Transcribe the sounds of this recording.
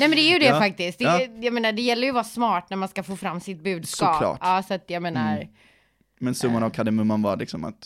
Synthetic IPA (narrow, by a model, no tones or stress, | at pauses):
nɛjmɛnd̪ɛæɾjɵd̪ɛfak̚t̪ɪsk̪t̪̚d̪ɛjameːnaɖɛjɛlːəɾjɵvɑːsmɑːʈnæɾmanskafoːfɾamːsɪt̪̚bʉ̟ːd̪sksɔɑːlɑ̰ːɑːsat̪jameːnaɾ | mɛnsɵmːanavkʰad̪əmɵmːanva̰ɾlɪksɔma̰t̪